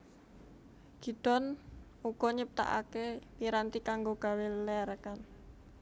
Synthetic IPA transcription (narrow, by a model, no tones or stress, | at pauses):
ɡ̥i̤d̪̥ɔn | uɡ̥ɔɲip̚t̪a̰ʔa̰kepiɾant̪ikaŋɡoɡ̥a̤wellɛɾkan